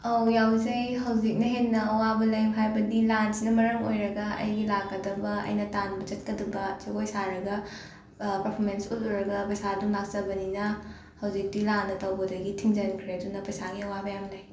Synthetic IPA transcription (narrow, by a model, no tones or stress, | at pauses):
awjawzɐjɦɐwzik̚nɐɦenːɐɐwabɐlɐjmɦajbɐdilansnɐmɐɾɐmo̰jɾɐɡɐɐ̰jɡilakːɐdɐbɐɐ̰jnɐtanbɐt͡ʃɐt̚kɐdɐbɐt͡ʃikojsaɾɐɡɐ | pɐpʰoɾmensuluɾɐɡɐpɐjsadulak̚t͡ʃɐbɐninɐ | hɐwzik̚dilanɐtɐwbɐdɐɡitʰiŋd͡ʒɐnkʰɾeɐdunɐpɐjsaɡiɐwabɐjamlɐj